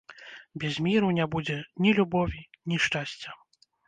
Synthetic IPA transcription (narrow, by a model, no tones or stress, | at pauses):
bʲɛzʲmʲiɾunʲabud͡zʲɛnʲilʲubɔvʲinʲiʂt͡ʂasʲt͡sʲɐ